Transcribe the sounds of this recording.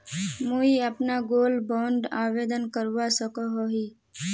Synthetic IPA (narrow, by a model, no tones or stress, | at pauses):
muiəpnaɡoːlbɔ̃ːɳɖaːʋeːd̪ənkəɾʋasəkoɦoɦiː